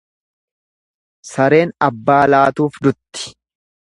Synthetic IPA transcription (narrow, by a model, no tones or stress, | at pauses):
sɐɾe̞ːnɐbːaːlaːt̪uːfd̪ʊt̪ːɪ̥